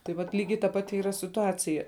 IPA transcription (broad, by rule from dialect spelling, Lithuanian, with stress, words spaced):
tɐɪ ʋɐt ˈlʲiːɡʲɛɪ tɐ ˈpɑːtʲɪ ˈiːrɐ sʲɪtʊˈɑːt͡sʲɪjɛ